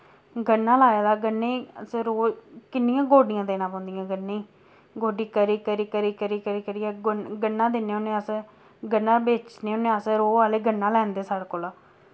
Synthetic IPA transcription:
ɡənːãːlaːjaːd̪aːɡənːeːsɾoːkɪnːɪjãːɡoːɖijãːd̪eːnãːpãːʊnd̪ijãːɡənːeːiː | ɡoːɖiːkəɾiːkəɾiːkəɾiːkəɾiːkəɾiːkəɾiːɛɡɡənːãːd̪eːneːʊnẽːəs | ɡənːãːbeːt͡ʃneːʊnẽːəsɾoːaːleːɡənːãːlɛːnd̪eːsaːɽakoːlaː

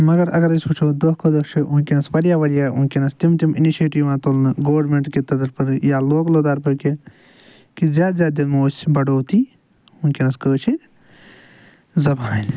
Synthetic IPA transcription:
mɐɡɐɾɐ̰ɡɐɾisut͡ʃʰoːd̪ohkʰoːd̪ɐkt͡ʃʰiʔunkʲenɐsʋɐɾjaːʋɐɾjaːunkʲenɐst̪imt̪iminiʃeːʈiːʋmãːt̪olnɨɡoːɾmeːɳʈket̪ɐd̪ɐɾpɐɾjaːloːkloːd̪aːɾpɐɾke | kizʲjaːd̪zjaːd̪d̪ilmoːsbɐɖoːt̪i | unkʲenɐskəːt͡ʃʰi | zɐbaːl

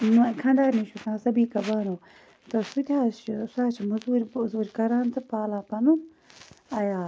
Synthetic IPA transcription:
mkʰɐɳɖaːɾniʃut̪ʰãːsɐbiːkɐbaːnũː | t̪ɐsut̪ʰʲaːʃsaːt͡ʃʰimuzuːɾʲzuːɾkɐɾaːnt͡sʰɨpaːlaːpɐnu | ɐjaː

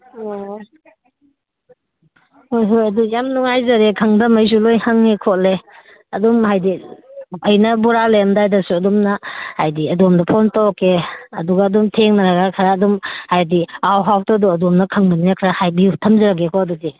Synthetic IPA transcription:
hojɦojɐdujamnuŋajzɐɾekʰɐŋdɐmɐjs̬ulojhaŋekʰɔt̚le | ɐdɔmɦajdi | ɐjnɐbuɾaleɐmdajdɐsuɐdɔmnɐhajdiɐdɔmdɐpʰɔntakːeɐduɡaːdɔmtʰeŋnaɾaɡakʰaɾaːdɔmhajdiawɦawtɔduɐdɔmnɐkʰɐŋbɐnijakʰɾahajbitʰɐmzaɾaɡekʰɔɐdudi

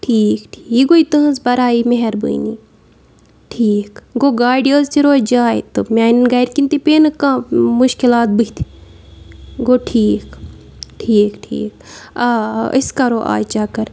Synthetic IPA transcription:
ʈʰiːkʈʰiːɡoit̪ɨɦɐzbɐɾaːimeɦɛɾbṵini | ʈʰiːkɡoːɡaːɖijoːzt̪iɾoːd͡ʒaːit̪omʲaːninɡɐjɾkint̪ipeːnɨkãmuʃkilaːt̪̚bɨit̪ʰi̥ | ɡoːʈʰiːk | ʈʰiːkʈʰḭːk̚aəskɐɾoʔa̰ːjt͡ʃaːkɐɾ

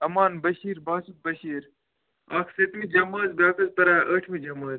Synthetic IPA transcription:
ɐmaːnbɐʃiːɾbaːsuk̪̚bɐʃiːɾ | akʰsɐt̪mid͡ʒɐmɐːzbaːkɐspɐɾaːʔəʈʰmid͡ʒɐmɐːz

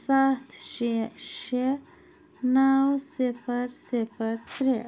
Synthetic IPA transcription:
saht̪ʃiʃe | nawsɪfəɾsɪfəɾt̪ɾe

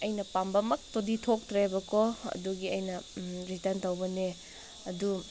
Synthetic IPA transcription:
ɐjnɐpambɐmɐk̚toditʰok̚tɾebɐkʰoɐ̰duɡiɐjnɐɾitɐntɐwbɐne | ɐdu

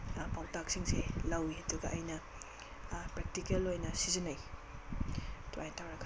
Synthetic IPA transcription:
pawtak̚siŋselɐwiɐduɡɐʔɐjnɐ | pɾek̚tikelːojnɐsizinaj | tʰuajtawɾɐɡa

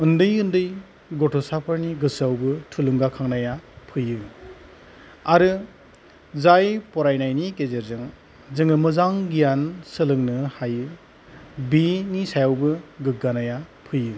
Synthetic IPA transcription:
ɯndɯjɯndɯj | ɡɔtʰɔsapʰɯɾniɡɯsawbɯtʰulɯŋɡakʰaŋnajapʰɯjɯ | aɾɯ | zajpɔɾajnajnikezeɾzɯŋ | zɯŋɯmɯzaŋɡijansɯlɯŋnɯhajɯ | binisajawbɯɡɯɡanajapʰɯjɯ

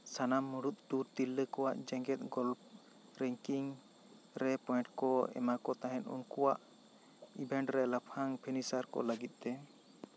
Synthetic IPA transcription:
sanamːuɽut̪̚ɖuɾt̪ilːəkɔwaʔd͡ʒɛ̃ŋɡɛt̪̚ˀɡɔlp̚ | ɾɛŋkiŋ | ɾɛpɔjɳʈkɔɛ̰makɔt̪aɦɛ̃nṵnkuwaʔ | ibʱɛ̃ɳʈɾɛlapʰaŋpʰinisaɾkɔ̰ləɡit̪̚t̪ɛ

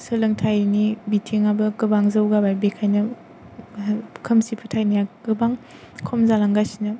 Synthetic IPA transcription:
sɯlɐŋtʰajnibitʰiŋabɐkɯbaŋzɐwɡabajbekʰajnɐ | kʰɐmsipʰɯtʰajnajakɯbaŋ | kʰomzalaŋɡasinɐ

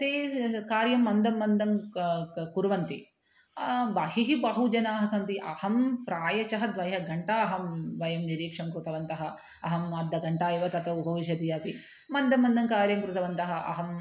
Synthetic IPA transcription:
t̪eːkaːɾjɐmːɐnd̪ɐmːɐnd̪ɐm | kuɾʋɐnt̪i | ʋaɦiɦibaɦud͡ʒɐnaːɦɐsɐnt̪iʔɐhɐmpɾaːjɐt͡ʃɐɦɐd̪ʋɐjɦɐɡɐɳʈɐɐɦɐmʋɐjɐmniɾiːkʂɐmkɾut̪ɐʋɐnt̪ɐɦɐ | ɐɦɐmɐd̪ːɐɡɐɳʈaːjiʋɐt̪ɐt̪ɐupɐʋiʃ̬ɐt̪ijɐːpi | mɐnd̪ɐmːɐnd̪ɐmkaːɾjɐmkɾut̪ɐʋɐnt̪ɐɦɐ̆ʔɐ̰ɦɐm

